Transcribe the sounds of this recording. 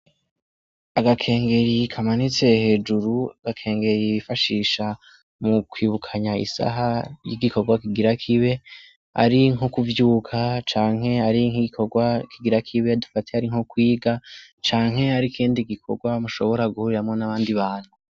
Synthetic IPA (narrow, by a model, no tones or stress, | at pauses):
aɡakʰe̞ːŋɡe̞ɾikʰamanit͡se̞he̞ːd͡ʒuɾuaɡ̥akʰe̞ːŋɡe̞ɾiifaʃiːʃa | mukwiːβukʰaɲaḭsa̰ɦajiɡiko̞ɡwakiɡiɾakʰiβe̞ | a̰ɾiŋokuvjuːkʰat͡ʃaːŋɦe̞aɾiŋhiɡikʰo̞ɡwakʰiɡiɾakʰiβe̞dufatehaɾiŋ̥hokwiːɡat͡ʃaːŋɦhe̞aɾikʰiːndiɡikʰo̞̰ɡwamuʃo̞βo̞ɾaɡuhuɾiɾamŋo̞naβaːndiβaːn̥hu